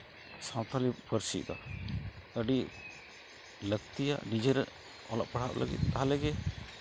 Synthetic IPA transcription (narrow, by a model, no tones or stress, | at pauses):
sawt̪ʰalipəɾsit̪̚d̪ɔ̰ | əɖi | ləkt̪ija̰ʔnid͡ʒeɾɛ | ɔlɔʔ̚paɽ̤ʰaʔlʔə̰ɡḭt̪̚ːaɦalɛɡɛ